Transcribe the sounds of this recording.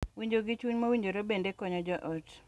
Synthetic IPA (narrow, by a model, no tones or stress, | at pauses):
wiɲd͡ʒoɡit͡ʃuɲmawiɲd͡ʒoɾobendekɔɲɔd͡ʒɔʔɔt